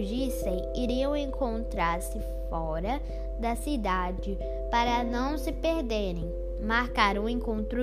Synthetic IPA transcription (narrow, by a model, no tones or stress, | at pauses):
d͡ʒisẽj̃ | iɾiɐ̃w̃ẽŋkõnt̪ɾaɾsɪ | fɔ | ɾɐ | d̪ɐsid̪ad͡ʒɪ | paɾɐnɐ̃w̃sɪpeɾd̪eɾẽj̃ | maɾkaɾũẽkõnt̪ɾʊ